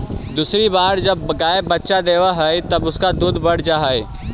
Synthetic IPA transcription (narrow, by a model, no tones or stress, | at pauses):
d̪uːsɾibaːɾd͡ʒɐbɡaːəbːɐtːʃad̪eːʋaɦɐet̪ɐbʊskad̪uːd̪ʱbɐɽ̤d͡ʒaːɦɐe